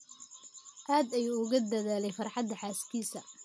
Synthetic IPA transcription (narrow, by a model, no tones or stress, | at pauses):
ʔaːd̪ɛjʊɣɐd̪ɐðaːlɛjfɐrħɑd̪ːɐħaːskʰiːsɐ